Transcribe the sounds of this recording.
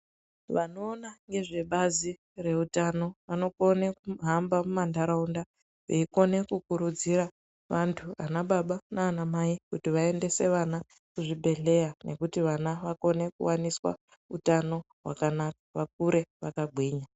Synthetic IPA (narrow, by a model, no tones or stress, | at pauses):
ʋano̞ːnaŋɡe̞ʐe̞ɓazi | re̞utano̞ʋano̞konekuɦambamumandaɾaunda | ʋeiko̞ne̞kukuɾud͡ziɾa | ʋantʰuanaɓaɓanaːnamaikutiʋae̞nde̞se̞ʋana | kuʐibʱe̞ɬe̞jane̞kutiʋanaʋako̞ne̞kṵwaniswa̰ | utano̞ | ɦwa̰kanakḁʋak̚uɾe̞ʋakaɡʱwiːɲa